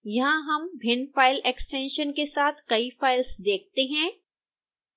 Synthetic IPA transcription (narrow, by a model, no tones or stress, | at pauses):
jɐɦãɦɐmbʱɪnfaːɪlɛksʈɛ̃ːnʃənkesaːt̪ʰkɐifaːɪlsd̪eːk̚ʰt̪eɦɛ̃ː